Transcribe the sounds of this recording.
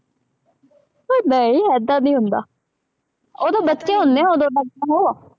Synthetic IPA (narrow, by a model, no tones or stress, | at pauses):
onəĩːɦɛːd̪aːnĩːɦʊnd̪a̰ː | oːd̪õːbətːt͡ʃʃẽːɦʊnd̪eːãːoːd̪õːləɡ̚aːɦoːaː